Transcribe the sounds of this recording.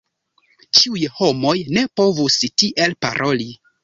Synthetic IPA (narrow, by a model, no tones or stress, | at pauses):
t͡ʃiujho̞mo̞jne̞po̞vustiʔe̞lpa̰ɾʔo̞li